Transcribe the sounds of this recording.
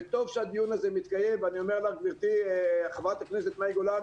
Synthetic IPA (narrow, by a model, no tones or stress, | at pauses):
t̪o̞vʃead̪ijunazemit̪kaje̞mvanio̞melaχɡviʁt̪iaχavat̪akneset̪majɡola